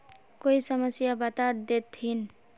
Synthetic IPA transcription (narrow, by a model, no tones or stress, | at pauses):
koisəməsjabat̪ad̪et̪ʰin